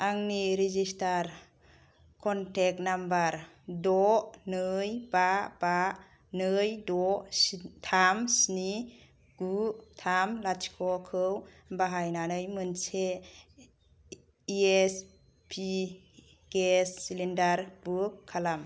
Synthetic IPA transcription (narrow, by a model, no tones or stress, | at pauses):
aŋniɾizistaɾ | kʰɔntʰɛk̚nambaɾ | dɔnɯjbaba | nɯjdɔ | tʰamsni | ɡ̥utʰamlat͡ʃkʰɔkʰɯw | baɦajnanɯjmɯnse | ies | pʰi | ɡ̥esːilindaɾbukʰːalam